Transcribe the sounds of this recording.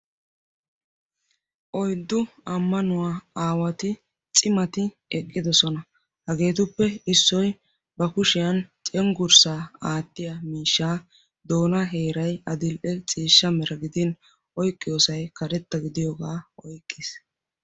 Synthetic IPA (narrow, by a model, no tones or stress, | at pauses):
ʔɔjd̪ːʊ | ɐmːɐnʊwaːaːwɐt̪ɪ | t͡sʼɪmɐt̪ɪ | ɛkʼːɪd̪ɔsɔnɐ | hɐɡe̞ːt̪ʊpːɛɪsːɔj | bɐkʊʃɪjɐnt͡sʼɛŋɡʊɾsaːaːt̪ːɪjɐmiːʃːaː | d̪o̞ːnɐɦe̞ːɾɐjɐd̪ɪlʔɛt͡sʼiːʃːɐmɛɾɐɡɪd̪ɪn | ʔɔjkʼːɪjoːsɐjkɐɾɛt̪ːɐɡɪd̪ɪjɔɡaːɔjkʼːɪs